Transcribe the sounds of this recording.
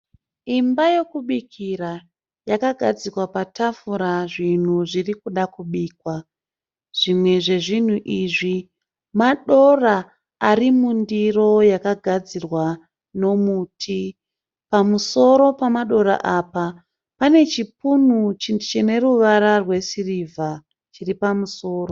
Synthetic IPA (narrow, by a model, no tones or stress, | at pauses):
imbaje̞kuɓikʰiɾa | jakaɡʱad͡zikwapatʰafuɾaʐin̤uʐirikuɗakuɓiːkwa | ʐ̥imwe̞ʐe̞ʐin̤uʔiʐi | maɗo̞ra | arimundiro̞jakaɡʱad͡zirwa | no̞muːtʰi | pamuso̞ɾo̞pamaɗo̞ɾa̰ʔaːpa | pane̞t͡ʃipun̤ut͡ʃint͡ʃine̞ruʋaɾarwe̞sirivʱa | t͡ʃiripamuso̞ːɾo